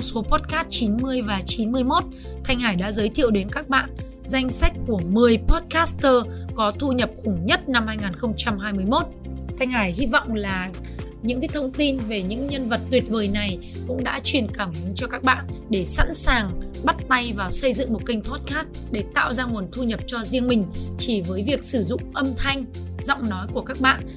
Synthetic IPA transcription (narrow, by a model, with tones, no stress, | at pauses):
ŋ͡mso˨˦pɔ˦˥t̚kaː˦˥t̚t͡ɕi˨˦nmɨ˧əjvaː˨˩t͡ɕi˨˦nmɨ˧əjmo˦˥t̚ | t̪ʰa˧jŋ̟haː˧˩jɗa̰ː˧˥zəː˨˦jt̪ʰḭ˧˨əwɗe˨˦nkaː˦˥k̚ɓa̰ː˧˨n | za˧jŋ̟sa˦˥k̟̚ku˧˩əmɨ˨˩əjpɔ˦˥t̚kaː˦˥st̪əː˧kɔ˨˦t̪ʰu˧ɲə˨˩p̚xʊ˧˩ŋ͡mɲə˦˥t̚na˧mhaː˧jŋaː˨˩nxə˧wŋ͡mt͡ɕa˧mɦaː˧jmɨ˧əjmo˦˥t̚t̪ʰa˧jŋ̟haː˧˩jhi˧vɔ̰˧˨wŋ͡mlaː˨˩ | ɲɨ̰˧˥ŋkaː˨˦jt̪ʰə˧wŋ͡mt̪i˧nve˨˩ɲɨ̰˧˥ŋɲə˧nvə˨˩t̚t̪wi˨˩ət̚vəː˨˩jna˨˩j | kʊ̰˧˥ŋ͡mɗa̰ː˧˥t͡ɕwi˨˩ənkaː˧˩m˨˦t͡ɕɔ˧kaː˦˥k̚ɓa̰ː˧˨nɗe˧˩sa̰˧˥nsaː˨˩ŋɓa˦˥t̚t̪a˧jvaː˨˩wsə˧jzɨ̰˧˨ŋmo˨˩t̚kï˧ŋ̟pʰɔ˦˥t̚kaː˦˥st | ɗe˧˩t̪a̰ː˧˨wzaː˧ŋu˨˩ənt̪ʰu˧ɲə˨˩p̚t͡ɕɔ˧zi˧əŋmï˨˩ŋ̟t͡ɕi˧˩vəː˨˦jvi˨˩ək̚sɨ˧˩zʊ̰˧˨ŋ͡mʔə˧mt̪ʰa˧jŋ̟zɔ̰˧˨wŋ͡mnɔ˨˦jku˧˩əkaː˦˥k̚ɓa̰ː˧˨n